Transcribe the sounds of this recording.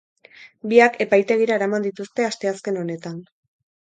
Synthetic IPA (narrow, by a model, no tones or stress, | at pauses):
biakʰe̞pajt̪e̞ɣ̞iɾaeɾamand̪it̪ust̪e̞ast̪e̞aske̞no̞ne̞t̪an